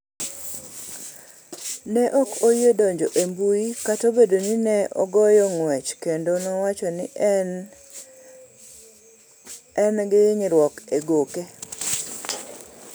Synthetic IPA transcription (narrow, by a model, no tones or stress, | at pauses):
nɛʔɔkojedɔɲd͡ʒoʔembuikatobedoninɛʔɔ̰ɡɔjɔŋwɛt͡ʃkendonɔwat͡ʃɔnɪ | ɛnɡɪɲɪɾwɔkeɡoke